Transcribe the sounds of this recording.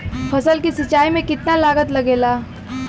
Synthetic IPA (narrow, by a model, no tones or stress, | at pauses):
pʰɐsəlkisɐt͡ʃːaːimẽkɪt̪nalaːɡət̪lɐɡeːlaː